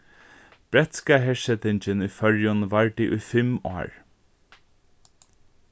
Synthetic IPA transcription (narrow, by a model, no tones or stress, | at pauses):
b̥ɾɛt̪skaɦɛːsɛt̪ɪɲt͡ʃɪnujfœɹjʊnʋaɹd̪iʔʊjfɪmɔ̰ːɹ